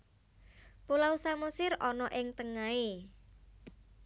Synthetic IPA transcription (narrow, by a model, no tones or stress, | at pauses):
pulausamusɪɾɔnɔʔɪŋt̪əŋae